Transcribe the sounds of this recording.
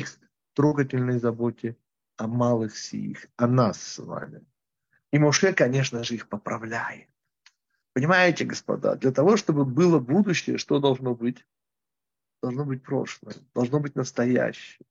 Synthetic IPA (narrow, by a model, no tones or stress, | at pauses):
ix | t̪ɾo̞ɡətʲɪlʲnəjzɐbo̞tʲɪ | ɐmalˠɨxfsʲɪ̰jḭxɐnasːva̰mʲɪ | imʊʂɛkɐnʲe̞ʂnəʐɨixpəpɾɐvlʲæjɪ̰t̪̚ | pənʲɪmajɪtʲɪɡəspɐ̰d̪a̰d̪lʲɐt̪ɐvo̞ʂt̪o̞bɨbɨlˠəbud̪ʊɕːɪjə̰ʂt̪o̞d̪ɐlˠʐno̞bɨtʲ | d̪̥ɐlˠʐnobɨt̚ʲpɾo̞̰ʂlˠəjəd̪̥ɐlˠʐno̞bɨtʲnəst̪ɐjæ̰ɕːɪjə